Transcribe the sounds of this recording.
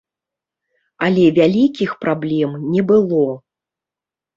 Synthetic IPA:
ɐlʲɛvʲalʲikʲixpɾablʲɛmnʲɛbɨlˠɔ

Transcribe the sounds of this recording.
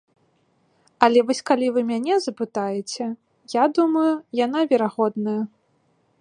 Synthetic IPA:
ɐlʲɛvɔsʲkalʲivɨmʲanʲɛzɐpɨt̪ajɛt͡sʲɛ | jad̪umɐjujan̪avʲɛɾaɣɔd̪nɐjɐ

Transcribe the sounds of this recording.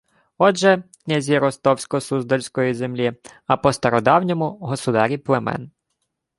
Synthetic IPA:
ɔʒɛknʲazʲiɾɔst̪ɔwsʲkɔsuzd̪ɔlʲsʲkɔjizemlʲiɐpɔst̪ɐɾɔd̪ɑwnʲɔmʊɦɔsʊd̪ɑɾʲiplˠemɛ̰n

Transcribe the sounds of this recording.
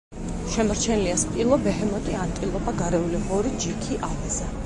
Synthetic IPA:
ʃɛmɔɾt͡ʃʰɛniliaspʼilˠɔbɛɦɛmɔt̪ʼiant̪ʼilˠɔbaɡaɾɛuliʁɔɾid͡ʒikʰiʔavɛzɛ

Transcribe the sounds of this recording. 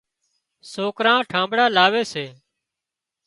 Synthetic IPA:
soːkɾãːʈʰãːmbɽaːlaːʋeːseː

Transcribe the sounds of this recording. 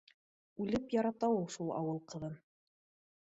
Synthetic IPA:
ʉlɘpjɑɾɑt̪ɑwulˠʃulˠɑ̰wɤlˠqɤ̆ðɤn

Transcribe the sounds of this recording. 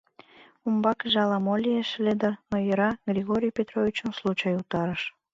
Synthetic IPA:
umbɑkəʒeɑlɑmolʲijeʃled̪ənojəɾɑɡrʲiɣoɾʲijpʲet̪rovʲit͡ɕənslˠut͡ɕɑjut̪ɑɾəʃ

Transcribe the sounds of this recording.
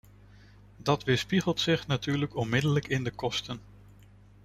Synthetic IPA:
dɑtʋɪspiχəlˠtsɪχnatyːɹləkɔnmɪdələkɪndəkɔstən

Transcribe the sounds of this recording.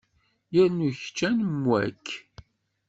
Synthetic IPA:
jəɾnuçt͡ʃːænmwæ̰kː

